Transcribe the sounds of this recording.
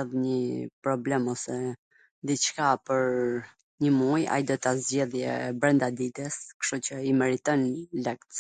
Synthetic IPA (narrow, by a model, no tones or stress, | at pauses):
ɛðɲəpɾɔblɛmɔsɛ | d̪it͡ʃkapəɾ | ɲəmuja̰jd̪ɔt̪azd͡ʑɛðjɛbɾɛnd̪ad̪it̪ɛskʃt̪ut͡ɕəimɛɾit̪ɔnlɛkt̪